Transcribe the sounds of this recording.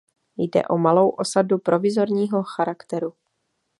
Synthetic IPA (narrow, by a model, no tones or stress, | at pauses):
jdɛ̰ʔo̞malo̞wʔo̞sadupɾo̞vɪzo̞ɾɲiːɦo̞xaɾakt̪ɛɾu